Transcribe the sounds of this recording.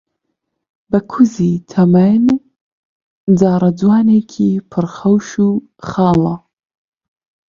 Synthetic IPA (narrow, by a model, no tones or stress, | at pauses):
bɐkʰuzit̪ʰɐmɐn | d͡zaːɾɐd͡zwaːneːkʰiːpʰɨɾxɐwʃuː | xɑːlɐ